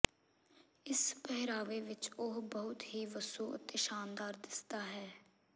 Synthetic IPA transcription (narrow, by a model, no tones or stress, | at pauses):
ɪspɛɦɾaːʋeːʋɪt͡ʃʊɦbəɦʊt̪ɦiːʋəsuːə̰t̪eʃaːnd̪aːɾd̪ɪst̪aːɦɛː